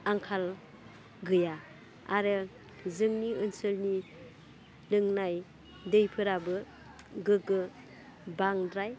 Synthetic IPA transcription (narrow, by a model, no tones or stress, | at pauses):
aŋkʰal | ɡɯja | aɾɯ | zɯŋniɯnsɯlni | lɯŋnaj | dɯjpʰɯɾabɯ | ɡɯkɯ | baŋdɾaj